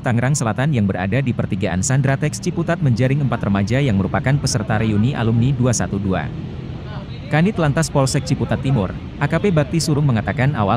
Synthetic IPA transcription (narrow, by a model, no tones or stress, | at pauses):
t̪aŋɾaŋsəlat̪anjaŋbəɾa̰dadipərt̪iɡaʔa̰nsandɾat̪ɛkst͡ʃiput̪at̪̚məɲd͡ʒaɾɪŋəmpat̪rəmad͡ʒajaŋməɾupakanpəsərt̪aɾijuniʔa̰lumniduasat̪udua̰ | kanit̪lant̪aspɔlsɛk̚t͡ʃiput̪at̪ːimʊr | ʔakapebak̚t̪isuɾʊŋməŋat̪akanawa